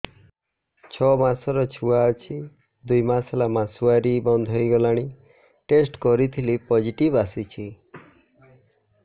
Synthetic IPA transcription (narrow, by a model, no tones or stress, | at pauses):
t͡ʃʰɔmasɔɾɔt͡ʃʰuaɔt͡ʃʰi | d̪ujmaselamasuaɾibɔnd̪ʱɔjɡɔlaɽ̃i | ʈesʈkɔɾit̪ʰilipɔd͡ʒiʈibasit͡ʃʰi